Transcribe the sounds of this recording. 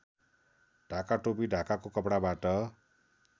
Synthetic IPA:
ɖʱakaʈopiɖʱakakokʌpɽabaʈʌ

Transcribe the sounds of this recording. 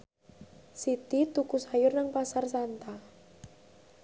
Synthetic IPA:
sit̪it̪ukusajʊrnaŋpasarsant̪a

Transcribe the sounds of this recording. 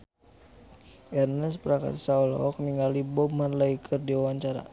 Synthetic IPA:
ɛrnɛspɾaka̰t̪saulɔ̰k̚niŋɡalibɔmanlaikʰərdiawaɲt͡ʃaɾa̰

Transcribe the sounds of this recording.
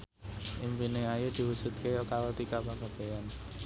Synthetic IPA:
ʔimpineajud̪̥i̤wusut̪̚kejɔkaɾot̪ikapakab̥e̤an

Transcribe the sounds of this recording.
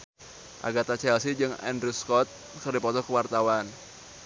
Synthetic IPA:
ʔa̰ɡat̪at͡ʃɛlsid͡ʒɨŋɛ̰ndɾuskɔt̪̚ | kərdipɔt̪ɔkəwart̪awan

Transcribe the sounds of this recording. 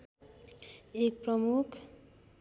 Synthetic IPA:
ek̚prʌmukʰ

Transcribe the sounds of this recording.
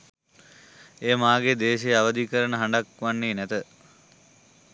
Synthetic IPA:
eːmaːɡed̪eːʃejaʋəd̪ikəɾənəɦaɳɖakʋanːeːnæt̪ə

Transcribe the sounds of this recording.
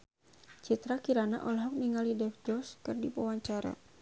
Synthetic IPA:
t͡ʃit̪ɾakiɾana̰ʔɔlɦɔk̚niŋalidɛfd͡ʒɔskɨrdipɔwaɲt͡ʃaɾa̰

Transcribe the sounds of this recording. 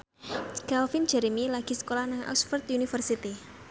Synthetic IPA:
kalfin̥d͡ʒɛɾimilaɡ̥i̤sə̥kolahnaŋʔɔ̰ksfərt̪unifərsit̪i

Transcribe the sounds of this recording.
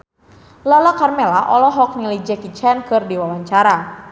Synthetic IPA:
lalakarmɛlaʔɔlɔɦɔk̚nəlid͡ʒɛkit͡ʃɛnkɨrdiwawaɲt͡ʃaɾa

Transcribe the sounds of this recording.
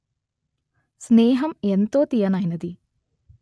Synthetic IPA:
sneːɦɐment̪oːt̪ijɐnajnɐd̪i

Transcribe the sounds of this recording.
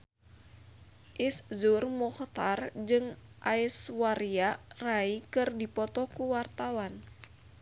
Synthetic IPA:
ʔiszurmɔht̪ard͡ʒɨŋʔaiswaɾiaraikɨrdipɔt̪ɔkuwart̪awan

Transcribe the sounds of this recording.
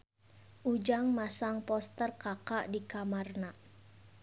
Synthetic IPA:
ʔud͡ʒaŋmasaŋpɔst̪ərkakaʔdikamarna

